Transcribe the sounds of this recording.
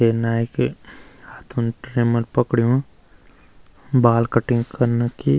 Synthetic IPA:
eːnaːekehaːt̪ʰunʈɾeːməɾpəkɽijõ | baːlkəʈɪ̃ŋɡkəɾnki

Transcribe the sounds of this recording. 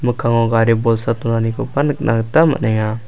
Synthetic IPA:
məkaŋoɡaɾibɔlsat̪unanikupanəknʔa̰ŋt̪ama̰ʔneŋa

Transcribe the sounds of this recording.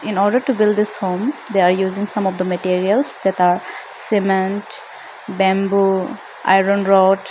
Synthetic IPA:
ĩnɔɹɖəɹʈubildd̪ɪshõmd̪eaɹjuzĩŋsãmɔfd̪əməʈiɹiəlsd̪ɛtaɹ | sɛmɛ̃nt | bɛ̃mbu | ʔa̰jɹõnɹɔʈ

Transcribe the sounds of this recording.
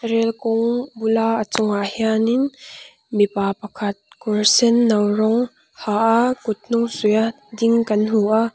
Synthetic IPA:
rɛlkɔŋbulaat͡sʊŋaʔhianɪn | mipapɐkʰɐt̪̚kɔɹsɛnːɐwrɔŋ | haʔakʊt̪̚nuŋsuja | diŋkɐnɦuʔaʔ

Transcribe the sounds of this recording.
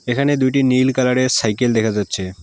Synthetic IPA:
ekʰaned̪ujʈ̬inilkalaɽesajkeld̪ɛkʰad͡ʑatːɕʰe

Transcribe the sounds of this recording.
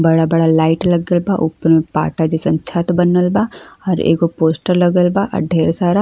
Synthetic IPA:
bɐɽabɐɽalaːɪʈlɐɡəlbaʔupəɾmẽpa̰ːʈad͡ʒesə̃nt͡ʃʰat̪bənəlbaɔːɾḛːkopoːsʈəɾlɐɡəlbaʔɐ̰ɖʱeːɾsaːɾa

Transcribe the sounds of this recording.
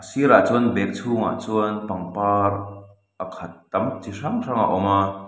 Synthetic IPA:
ʔɐsiɾat͡suənbɛk̚t͡sʰuːŋa̰t͡suənpɐŋpaːr | ʔɐkʰɐt̪̚ːɐmt͡siʂaŋraŋa̰ʔɔma

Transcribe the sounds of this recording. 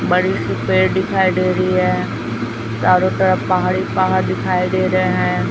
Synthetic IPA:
ɓɐɽisʊpeːɾɗɪkʰaːiɗeːɾiɦɛː | t͡ʃaːɾoʈɐɾəpɐɦaːɽipɐɦəɾɗ̪ɪkʰaːiɗeːɾɐeɦɛ̃ː

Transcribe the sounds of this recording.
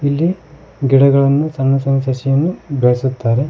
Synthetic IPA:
ilːi | ɡiɽɐɡɐɭɐnːut͡ʃɐnːɐsɐnsɐsijɐnːubeɭɐsut̪ːaːɾe̞

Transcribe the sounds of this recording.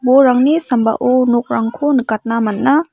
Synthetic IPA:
boɾaŋnisɐmba̰ʔunok̚ɾaŋkʰonkat̚namɐnːa

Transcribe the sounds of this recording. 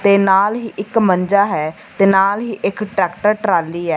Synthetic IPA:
t̪eːnaːlɦiːʔɪkməɲd͡ʒaːɦɛː | t̪eːnaːlɦiːʔɪkʈɾɛːkʈəɾʈɾaːlːiːɦɛː

